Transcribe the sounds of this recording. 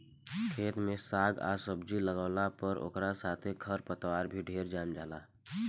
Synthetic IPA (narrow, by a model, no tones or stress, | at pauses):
kʰeːt̪mẽsaːɡa̰ːsəbd͡ʒiləɡaːlapəɾʔo̰ːkɾasaːt̪ʰekʰəɾpət̪waːɾbʱiɖʱeːɾd͡ʒaːmd͡ʒaːlaː